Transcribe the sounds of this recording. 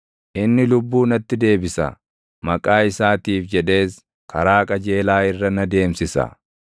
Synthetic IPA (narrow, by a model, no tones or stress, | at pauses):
ʔɪnːɪlʊbːuːnɐt̪ːɪd̪e̞ːbɪsɐ̰ | mɐkʼaːɪsaːt̪iːfd͡ʒɛᶑe̞ːs | kɐɾaːkʼɐd͡ʒe̞ːlaːɪrːɐnɐd̪e̞ːmsɪsɐ̰